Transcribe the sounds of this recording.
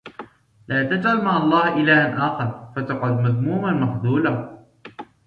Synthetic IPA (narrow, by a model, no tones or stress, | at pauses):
lʔaːt̪at̪ʕalmaːɑlˤːɑːhʔɪlaːʔanʔaːxɑɾˤfat̪ɑqʊd̪maðmuːmanmaħd̪uːla